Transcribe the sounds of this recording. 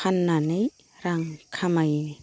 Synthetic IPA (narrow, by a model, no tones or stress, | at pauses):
anːanej | ɾaŋkʰamajni